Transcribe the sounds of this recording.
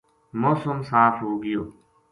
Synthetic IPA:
moːsəmsaːpʰɦoːɡijoː

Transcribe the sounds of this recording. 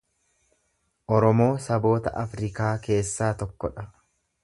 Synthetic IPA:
ʔɔɾɔmo̞ːsɐbo̞ːt̪ɐ̰ʔɐfɾɪkaːke̞ːsːaːt̪ɔkːɔᶑɐ

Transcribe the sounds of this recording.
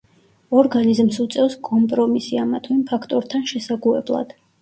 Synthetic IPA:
ɔɾɡanizmsut̪sʼɛvskʼɔmpʼɾɔmisiamat̪ʰwimpʰakʰt̪ʼɔɾt̪ʰanʃɛsaɡuɛ̰blˠa̰d̪̥

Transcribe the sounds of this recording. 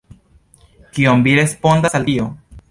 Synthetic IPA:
kiomviɾe̞spo̞ndasaltio

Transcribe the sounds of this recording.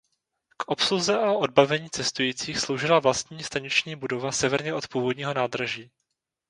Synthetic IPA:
kʔo̞psluzɛʔaʔo̞d̚bavɛɲiːt͡sɛst̪ujiːt͡siːxslo̞wʒɪlavlast̪ɲiːst̪aɲɛt͡ʃɲiːbudo̞vasɛvɛɾɲɛʔo̞t̪puːvo̞dɲiːɦo̞naːd̪ɾaʒiː

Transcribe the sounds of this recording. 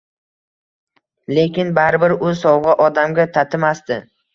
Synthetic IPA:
le̞kʲɪnbaɾɪbɪɾʊsɒwʁɨʔɒd̪amɡʲat̪ʰat̪ʰɪmast̪ɪ

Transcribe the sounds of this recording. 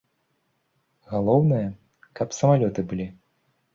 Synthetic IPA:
ɣalˠɔwnɨjɐ | kɐpsɐmalʲɔt̪ɨbɨlʲi

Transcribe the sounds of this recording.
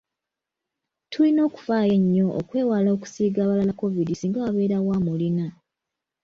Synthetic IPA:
tʰulino̞ːku̥faːje̞ɲːo̞ʔo̰kwe̞ːwalo̞ːku̥siːɡaːβalalako̞vidisiːŋɡaaβe̞ːɾawaːmulina

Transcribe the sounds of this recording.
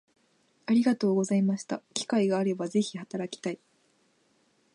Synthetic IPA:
aɾʲiɡat̪o̞ːɡo̞zaimaɕi̥t̪akʲi̥kaiɡaːɾe̞baze̞çihat̪aɾakʲi̥t̪ai

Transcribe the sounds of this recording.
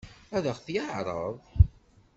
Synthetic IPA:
æðəʁθjaʕɾˤə̰ðˤ

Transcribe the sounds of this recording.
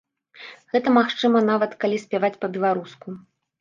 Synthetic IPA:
ɣɛt̪ɐmaxt͡ʂɨmɐnavɐt̪kalʲisʲpʲavat͡sʲpɐbʲɛlˠaɾusku

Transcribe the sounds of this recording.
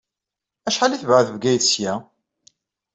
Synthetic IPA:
æʃħaliθvʕəðvɡæjθsjæ

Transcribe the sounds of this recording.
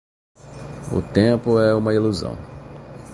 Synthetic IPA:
ʊ̰t̪ẽpʊɛũmɐiluzɐ̰̃w̃

